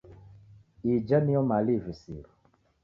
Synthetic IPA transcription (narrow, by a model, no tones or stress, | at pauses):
id͡ʒamiɔmalivisḭɾu